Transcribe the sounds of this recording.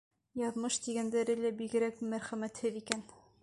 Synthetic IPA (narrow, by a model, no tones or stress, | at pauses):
jɑðmɤʃt̪iɡænd̪æɾɘlæbiɡɘ̆ɾækmæɾχæmæt̪hɘðikæn